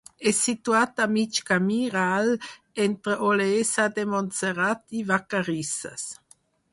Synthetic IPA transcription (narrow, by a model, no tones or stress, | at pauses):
ɛsit̪uat̪amit͡ʃkamiʁal | ɛnt̪ɾəʔolesad̪emɔnt͡seʁat̪ivakaʁisa̰s